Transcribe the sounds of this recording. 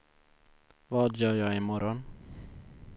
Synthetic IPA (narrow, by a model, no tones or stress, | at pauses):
vɑːd̪jœːɾjɑːɡɪmɔɾɔn